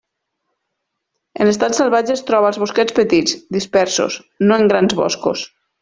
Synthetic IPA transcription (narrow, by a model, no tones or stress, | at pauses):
ə̰ləst̪atsəlˠβad͡ʒeːst̪ɾɔβaəlˠzβoskɛt͡spət̪id͡zd̪ispɛɾso̰s | noeŋɡɾanzβɔ̰sko̰s